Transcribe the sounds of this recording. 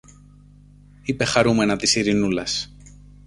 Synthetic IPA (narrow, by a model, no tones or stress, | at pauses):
ipe̞xɐɾume̞nɐt̪isiɾinulɐs